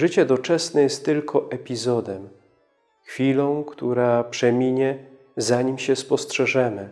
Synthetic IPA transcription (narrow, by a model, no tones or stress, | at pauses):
ʐɘt͡ɕɛd̪ɔt͡ʂɛsnɛjɛst̪ːɘlkʰɔʔɛpʲizɔd̪ɛm | xfʲilɔ̃w̃kt̪uɾapʂɛmʲiɲɛ | zaɲimɕɛspɔstʂɛʐɛmɘ